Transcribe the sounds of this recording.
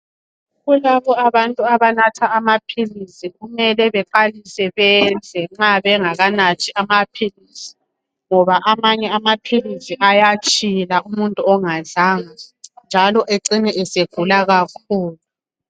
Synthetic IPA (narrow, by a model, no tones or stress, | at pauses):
ɣulaβɔaβantʼuaβanatʰaːmapʰilisiɣumɛlɛβɛǃalisɛβɛnd͡zʱɛŋ͡ǁaβɛŋaɣanat͡ʃʰʼiʔamapʰilisi̥ | ŋɔβaʔamaɲɛamapʰilisiʔajat͡ʃʼilaumuntʼuɔŋazaːŋand͡ʒʱalɔʔeǀiniʔɛseɡ̥ʱulaɣakʰuːlu